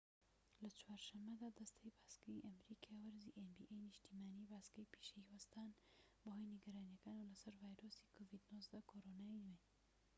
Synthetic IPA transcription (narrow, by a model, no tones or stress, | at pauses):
lɐt͡ʃwaːɾʃɐmːɐd̪aːd̪ɐst̪ʰɐjbaːskɐjʔɐmɾikʰajwɐɾziʔenbḭʔejniʃt̪imaːnibaːskɐjpi̥ʃeiwɐst̪aːnbɐhojniɡɐɾaːnjɐkaːnuwlɐsɐɾvaːjɾosi̥kʰovid̪nozd̪ɐkʰoɾonainwen